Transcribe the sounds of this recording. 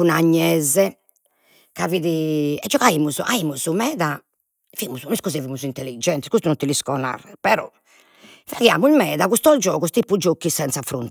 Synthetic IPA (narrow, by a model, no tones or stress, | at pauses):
unaɲːɛzɛ | kaviðiɛd͡ʒːɔɣaiːmuzɔʔaimuzumɛːða | fiimuzuniskuzevimuzint̪elːid͡ʒɛnt̪ɛskust̪ununt̪iliskɔna̰rːɛpɛɾɔ̰ | faɣja̰ːmuilmɛːðaɣust̪ɔd͡ʒɔːɣust̪ipːud͡ʒokːisɛnt̪safɾṵn